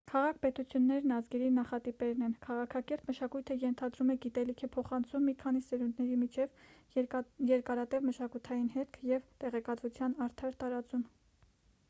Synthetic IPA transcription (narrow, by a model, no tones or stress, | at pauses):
kʰɑʁɑkʰpɛt̪ut͡sʰjunːɛɾnɑzɡɛɾinɑχɑt̪ipɛɾnɛnkʰɑʁɑkʰɑkɛɾt̪məʃɑkujt̪ʰəjɛnt̪ʰɑd̪ɾumɛɡit̪ɛlikʰɛpʰɔχɑnt͡sʰumːikʰɑnisɛɾund̪nɛɾimit͡ʃʰɛv | jɛɾkɑɾɑt̪ɛvməʃɑkujt̪ʰɑjinɦɛt̪kʰjɛvt̪ɛʁɛkɑt̪vut͡sʰjɑnɑɾt̪ʰɑɾt̪ɑɾɑt͡sum